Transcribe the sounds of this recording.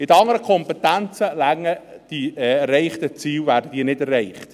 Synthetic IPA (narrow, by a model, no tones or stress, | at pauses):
ɪd̪ɑŋːəɾəkʰɔmpɛt̪ænt͡səlæŋːəd̥iɛrːɛɪχt̪ət͡siːlvæːɾdəd̥̪iːnɪdɛrːɛeɪχt̪